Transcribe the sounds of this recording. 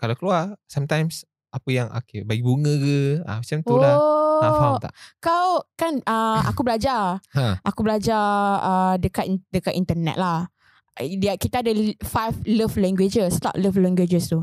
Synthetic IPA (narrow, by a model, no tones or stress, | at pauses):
kalakəluasamt̪ajms | ʔapəjaŋʔa̰kebaɡibuŋə̃ɡəã̰sənt̪uolaafat̪a̰ʔkawkanəa̰kubəlad͡ʒahʔakubəlad͡ʒaədəkat̪dəkat̪int̪ənɛ̰t̪̚lah | dakit̪aːdafajfləflɛŋɡwed͡ʒəst̪a̰ʔləflɛŋɡwed͡ʒəst̪u